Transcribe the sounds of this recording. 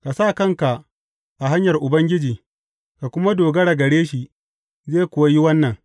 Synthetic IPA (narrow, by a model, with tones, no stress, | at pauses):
ka˨saː˦˨kɐ˦ŋka˨ʔ | ʔa˨ɦa˦ɲjɐ˨rʔʊ˨bɐ˦ŋɡʲɪ˦d͡ʒiː˨ | ka˨kʷʊ˦ma˦doː˨ɡɐ˦ɽa˨ɡɐ˨ɽeː˦ʃi˨ | zeː˦˨kʷʊ˨wa˦ji˦wɐ˦nːɐ˨ŋ